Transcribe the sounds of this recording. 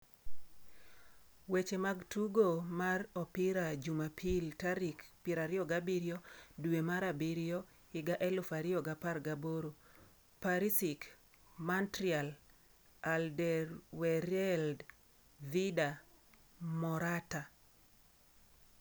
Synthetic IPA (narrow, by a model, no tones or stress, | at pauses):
wet͡ʃemaɡtuɡomarɔpiɾad͡ʒumapʰiltaɾikpiɾaɾɪɔɡabiɾɪɔdwemaɾabiɾijɔ | ɪɡaʔɛlʊfaɾɪɔɡaparɡaboɾo | paɾisik | mantɾial | aldɛrwɛɾɛld | vida | mɔɾata